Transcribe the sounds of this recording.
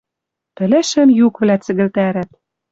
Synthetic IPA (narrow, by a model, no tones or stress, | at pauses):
t̪ɘ̆lɘ̆ʃɘ̆mjukβlæt͡sɘ̆ɣɘ̆lt̪æɾæt̪̚